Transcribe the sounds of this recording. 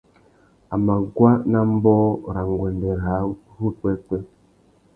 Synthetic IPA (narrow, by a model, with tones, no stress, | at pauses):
a˨ma˨ɡwa˦na˦m̩˦bɔ˦ɾa˨ŋ˨ɡwɛ˨ndɛ˨ɾa˨˦hu˦k͡pɛ˦k͡pɛ˦